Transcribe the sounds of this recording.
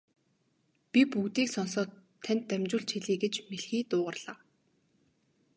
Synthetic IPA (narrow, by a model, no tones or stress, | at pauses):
pʲipuɣt̪iːksɔnsɔːt̪ʰːæn̥ʲt̪ːæmʲt͡ɕʊːɮt͡ɕʰiɮiːɡet͡ɕmeɮxiːt̪ʊːʁə̆rɮ̥aː